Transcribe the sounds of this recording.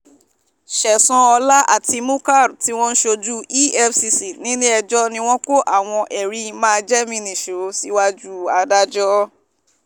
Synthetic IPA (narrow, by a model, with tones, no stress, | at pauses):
ʃɛ˨sɔ̃˨˧ɔ˧la˦ʔa̰˦˨ti˧mũ˦ka˦˨ɾti˨˦w̃ɔ̃˦n̩˦ʃo˧d͡ʒu˦i˦ɛ˧fsi˧si˨nĩ˨˦nĩ˦ɛ˧d͡ʒɔ˦nĩ˧w̃ɔ̃˦ko˦ʔa˨w̃ɔ̃˧ʔɛ˨ɾi˨˦˧mãː˦˧d͡ʒɛ˦mĩ˧nĩ˨ʃo˨˦si˦wa˦d͡ʒu˦a˨˧da˦d͡ʒɔ˦